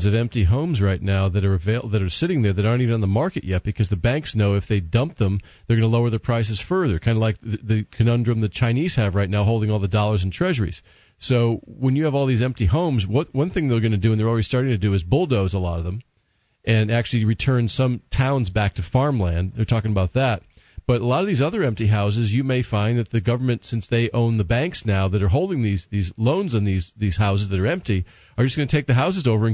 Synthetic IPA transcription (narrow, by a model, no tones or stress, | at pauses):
zʌvɛ̃mp̚tiɦõʊ̃mzɹaɪtⁿnaʊðɨɾə˞ɨveɪðɨɾə˞sɪɾɪ̃ŋðə˞ðɨɾɑɹntivɨnə̃nðəmɑɹkɨʔjɛt̚b̥ɨkʰʌzðɨbæ̃ŋksnoʊɨfðeɪdʌ̃mp̚ðə̃m | ðə˞ɡʌnəloʊə˞ðəpʰɹ̥aɪs̬ɨz̥fɜ˞ðə˞kʰãɪ̃ndəlaɪk̚ɨðɨkʰɨnʌ̃ndɹɨ̃mðɨt͡ʃʰãɪ̃niz̥hɨvɹaɪtⁿnaʊɦoʊlˠdɪ̃ŋɔlˠðədɔlˠə˞z̃n̩tʰɹ̥ɛʒə˞ḭz̥ | soʊwə̃njɨːvɔlˠðizɛ̃mp̚tiɦõʊ̃mzwʌt̚wʌ̃nθɪ̃ŋðə˞ɡʌnɨdɨɨ̃nðə˞lˠɹɛɾistɑɹɾɪ̃ŋtʰɨdɨɨzbʊlˠdoʊzəlɔɾʌvðə̃m | ʔɨ̃næk̚t͡ʃʉl̩ˠiɹitʰɜ̃˞nsʌ̃mtʰãʊ̃nzbæk̚tʰɨfɑɹmlæ̃ndðə˞tʰɔkɪ̃ŋəbaʊt̪̚ðæt̚ | b̥ʌɾəlɔɾʌvðizʌðə˞ɛ̃mptiɦaʊs̬ɨzjɨmeɪfãɪ̃nðɨt̪̚ðɨɡʌvə˞mɨ̃ntsɪ̃nsðeɪʔõʊ̃nðəbæ̃ŋksnaʊðɨɾə˞ɦoʊlˠdɪ̃ŋðizðizlõʊ̃nzn̩ðizðiz̥haʊs̬ɨzðɨɾə˞ɛ̃mp̚ti | ə˞d͡ʒʌsɡ̥ʌnɨtʰeɪk̚ðɨɦaʊs̬ɨzoʊvə˞ɨ̃n